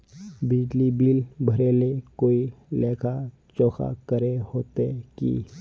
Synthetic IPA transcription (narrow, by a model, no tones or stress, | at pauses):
bɪd͡ʒlibiːlbʱəɾeːlekoːileːkʰa | t͡ʃɔːxʰa̰kəɾehoːt̪ekḭː